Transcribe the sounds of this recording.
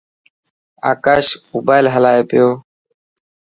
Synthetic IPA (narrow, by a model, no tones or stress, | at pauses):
a̰ːkaːʃmoːbaːɪlɦəlaːeːpɪjoː